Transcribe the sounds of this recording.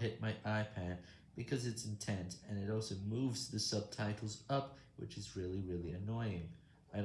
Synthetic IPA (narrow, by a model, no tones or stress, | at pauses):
hɪt̚maɪʔaɪpʰæ̃n̚ | b̥ɨkʰʌzɨtsn̩tʰɛ̃nsɨ̃nɨɾɔlˠsoʊmuvzðɨsʌb̚tʰaɪɾl̩ˠzʌp̚ | wɨ̰t͡ʃɨzɹɪlˠiɹɪlˠiɨnɔɪɪ̃ŋ | aɪ